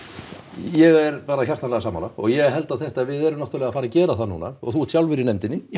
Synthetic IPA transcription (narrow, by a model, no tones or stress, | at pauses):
jɛɣɛɾpaːɾaçar̥t̪ʰːanlɛɣasaːma̰ːlaɔɣjɛɣɦɛlt̪aðθɛht̪avɪðɛɾʏmnaht̪ʏɾlɛːɣafaːɾacɛːɾaθanṵːna̰ɔɣθusjawlvɪɾɪnɛmt̪ɪnːɪ